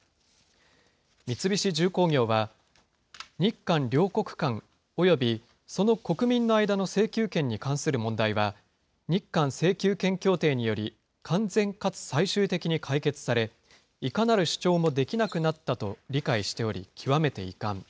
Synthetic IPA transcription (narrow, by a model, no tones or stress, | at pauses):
mʲit͡sɨbʲiɕid͡ʑɨːko̞ːŋʲo̞ːβa | ɲ̟ikːãnɾʲo̞ːko̞kɯ̟̥kãŋ | o̞jo̞bʲi | so̞no̞ko̞kɯ̟mʲĩnːo̞aid̪ano̞se̞ːkʲɨːkẽ̞ɲ̟ːikãɰ̃sɨɾɯ̟mõ̞nd̪aiβa | ɲ̟ikːãɰ̃se̞ːkʲɨːkẽ̞ŋkʲo̞ːt̪e̞ːɲ̟ijo̞ɾʲi | kʰãnd͡zẽ̞ŋkat͡sɨ̥saiɕɨːt̪e̞kʲiɲ̟ikʰaike̞t͡sɨ̥saɾe̞ | ikanaɾɯ̟ɕi̥t͡ɕo̞ːmo̞d̪e̞kʲinakɯ̟nat̪ːat̪o̞ɾʲikaiɕi̥t̪e̞o̞ɾʲḭkʲʰiβame̞t̪e̞̰ḭkãŋ